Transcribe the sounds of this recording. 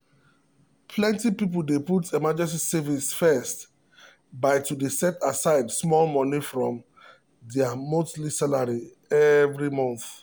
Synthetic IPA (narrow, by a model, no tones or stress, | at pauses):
pʰlɛ̃ntipip̬l̩deputʰɛmad͡ʒɛ̃ns̬isɛvisfɛst | baɪtudesɛtasaɪdsmɔlmɔ̃nifɹɔ̃m | dɛamoslisalaɹi | ɛvɹimɔ̃nθ